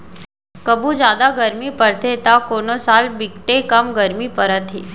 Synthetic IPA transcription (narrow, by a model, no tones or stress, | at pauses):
kəbud͡ʒad̪aɡəɾmipəɾt̪ʰet̪akonosalbikʈekəmɡəɾmipəɾat̪ʰi